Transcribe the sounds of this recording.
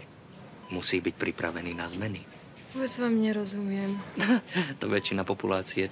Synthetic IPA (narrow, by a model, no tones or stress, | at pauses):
musiːbic̚pɾipɾaʋɛniːnazmɛni | ɔbɛzʋamɲɛɾɔzumɪɛm | t̪ɔʋɛt͡ʃinapɔpulaːt͡siɛ